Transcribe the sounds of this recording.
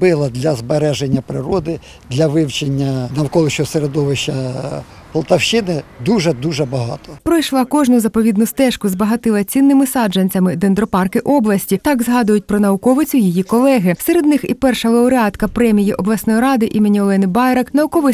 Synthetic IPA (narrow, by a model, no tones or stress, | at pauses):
bɪlˠɐd̪ʲlʲɐzbeɾɛʒenʲːɐpɾɪɾɔd̪ɪ | d̪lʲɐʋɪwt͡ʃenʲːɐnɐwkɔlˠɪʃɔseɾed̪ɔʋɪʃɐ | pɔlˠt̪ɐwʃɪnɪd̪uʒɛd̪uʒɛbɐɦɑ̰t̪ɔpɾɔjʃlˠɑkɔʒnʊzɐpɔʋʲid̪nʊst̪ɛʃkʊzbɐɦɐt̪ɪlˠɐt͡sʲinːɪmɪsɑd͡ʒɐnʲt͡sʲɐmɪd̪end̪ɾɔpɑrkɪʔɔblˠɐsʲtʲit̪ɑkzɦɑd̪ʊjʊt̚ʲpɾɔnɐʊkɔʋɪt͡sʲʊjijikɔlˠɛɦɪseɾed̪nɪxḭpɛrʃɐʋˠɛɔɾɪɑt̪kɐpɾɛmʲijiʔɔblˠɐsnɔjɾɑd̪ɪʔimɪnʲiɔlˠɛnɪbɑjɾɐknɐʊkɔʋɪ